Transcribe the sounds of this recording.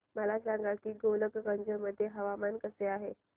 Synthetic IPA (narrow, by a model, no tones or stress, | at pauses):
məlasãŋɡat̪iːɡoləɡɡəɲd͡ʑəməd̪ʱːjeɦəʋamankəseaɦe